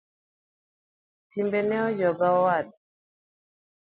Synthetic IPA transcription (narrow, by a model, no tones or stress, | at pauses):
timbɛnɛɔd͡ʒɔɡaɔwad̚